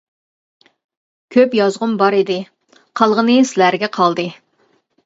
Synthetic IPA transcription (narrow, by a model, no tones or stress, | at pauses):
kʲʰøpjɑzʁʊmbɑɾid̪ɪ | qʰɑlˠʁənɨslæɾɡʲɛqʰɑlˠd̪ɨ